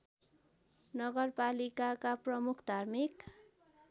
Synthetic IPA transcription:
nʌɡʌrpalikakaprʌmukʰd̪ʱarmik

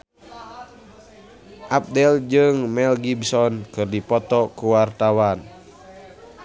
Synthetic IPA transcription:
ʔap̚dɛld͡ʒɨŋmɛlɡibsɔnkɨrdipɔt̪ɔkuwart̪awan

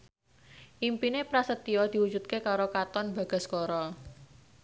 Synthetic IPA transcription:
ʔimpinepɾasət̪iɔd̪̥i̤wu̥d͡ʒṳt̪̚kekaɾokat̪ɔnba̤ɡ̥a̤skɔɾɔ

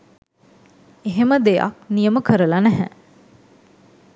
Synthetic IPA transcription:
eɦeməd̪eja̰k̚nijəməkəɾəlanæɦæ

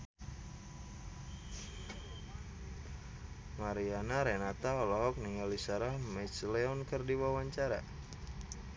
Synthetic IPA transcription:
maɾianaɾɛnat̪aɔlɔɦɔk̚niŋalisaɾahmɛslɛɔnkərdiwawaɲt͡ʃaɾa̰

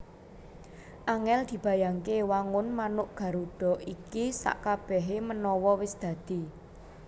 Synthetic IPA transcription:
ʔaŋɛld̪̥i̤b̥ä̤jaŋkewaŋʊnmanʊʔɡ̥ä̤ɾuɖ̥ɔ̤ʔikisa̰ʔkab̥ɛɦemənɔwɔwɪsd̪̥ä̤d̪̥i̤

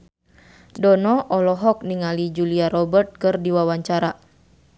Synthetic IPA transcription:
dɔnɔʔɔlɔɦɔk̚niŋalid͡ʒuliaɾɔbərt̪̚kɨrdiwawaɲt͡ʃaɾa

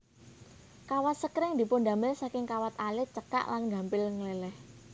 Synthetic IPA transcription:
kawat̪̚səkɾɪŋd̪i̤pʊnɖ̪a̤mɪlsakɪŋkawat̪alɪt͡ʃəka̰ʔlanɡä̤mpɪlŋəlelɛh

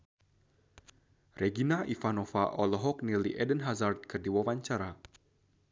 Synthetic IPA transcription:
rʔɛɡinaʔifanɔfaʔɔlɔɦɔk̚niliʔɛdənɦazart̪̚kɨrdiwawaɲt͡ʃaɾa

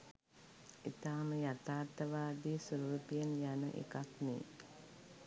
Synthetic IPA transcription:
it̪aːməjat̪aːt̪ːəʋaːd̪iːsuɾuːpijənjanə̰ʔḛkaknḭː

